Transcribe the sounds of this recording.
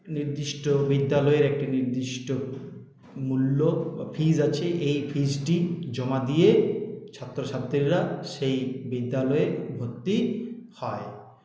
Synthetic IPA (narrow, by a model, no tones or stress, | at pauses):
niɾd̪iʃʈobid̪ːalɔeɾɛk̚ʈiniɾd̪iʃʈo | mulːofʰid͡ʑat͡ɕʰeʔejfʰid͡ʑʈid͡ʑɔmad̪ijet͡ɕʰat̪ːɾoʃʰat̪ːɾiɾɾaʃejbid̪ːalɔeɾbʱokt̪ːihɔe